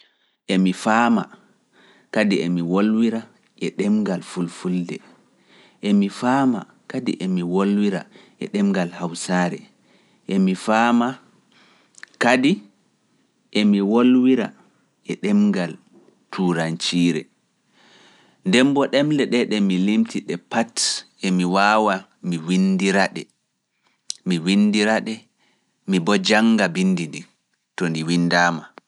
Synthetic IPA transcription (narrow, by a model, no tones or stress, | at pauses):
ʔemifaːma̰ | kadiemiwolwiɾa | ʔɛɗɛmŋɡalfulfuldɛ̰ | ʔemifaːma̰ | kadḭʔemiwolwiɾa̰ | ʔɛ̰ɗɛmŋɡalhawsaɾɛ̰ | ʔemifaːma | kadi | ʔemiwolwiɾa̰ | ɛɗɛmɡal | tʰuːɾant͡ʃiːɾɛ̰ | ndɛmbɔɗɛmlɛɗɛɗɛmilimtiɗɛpat | emiwaːwa | miwindiɾaɗɛ | miwinːdiɾaɗɛ | mibɔd͡ʒaŋɡabinːdindi | tɔndiwinːdaːma